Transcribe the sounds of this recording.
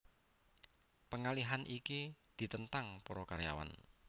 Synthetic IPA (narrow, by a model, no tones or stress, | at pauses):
pəŋaliɦanʔikid̪̥i̤t̪ənt̪aŋpɔɾɔkaɾja̰wa̰n